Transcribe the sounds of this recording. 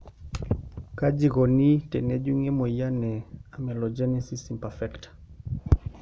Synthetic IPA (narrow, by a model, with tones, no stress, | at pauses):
ka˦d͡ʒi˨kɔ˨ni˦tɛ˨nɛ˦d͡ʒu˦ŋɛ˦mo˨ja˦nɛ˨a˨mɛ˨lɔ˨d͡ʒɛ˦nɛ˦si˦si˨mpafɛ˦ktḁ